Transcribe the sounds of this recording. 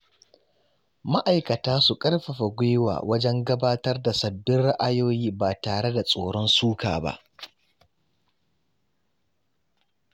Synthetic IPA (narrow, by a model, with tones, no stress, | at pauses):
ma˦ʔa˨jkɐ˨taː˦su˨kʼɐ˦rɸɐ˨ɸa˨ɡʷe˦wa̰ː˨wɐ˦d͡ʒɛ˦ŋɡɐ˦baː˦tɐ˦rda˨sɐ˨bːɪ˦nɽa˦ʔa˦joː˦jiː˦ba˨taː˨ɽe˦da˨sʼoː˨ɽɔ˦nsuː˦ka̰ː˨ba̰˦ʔ